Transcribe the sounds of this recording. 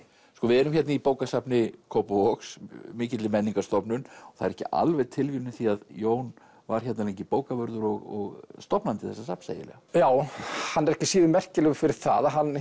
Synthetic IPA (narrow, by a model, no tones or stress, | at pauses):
skɔvɪðɛːɾʏmçɛt̪naipoːwkasapnɪkʰowpʏvɔksmɪːcɪt̪lɪmɛnːiŋkast̪ɔpnʏnɔθaðɛɾɛhcɪ̰ʔa̰lvɛɣt̪ʰɪlviɾnɪθiaðjoːwn | vaɾ̥çɛt̪nalejɲcɪpoːwkavʏɾðʏɾɔɣɔɣst̪ɔpnant̪ɪ̥θɛsasapn̥sḛjɪlɛ̰ːɣajaːwhanːɛɾɛhcɪsiːðʏmɛr̥cɪlɛɣʏfɪɾɪɾ̥θa̰ðaɦanː